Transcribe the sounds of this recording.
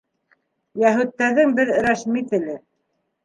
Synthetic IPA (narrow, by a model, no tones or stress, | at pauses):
jæɦʉt̪ːæðɘŋbɘðɾæʃmit̪ɘ̆lɘ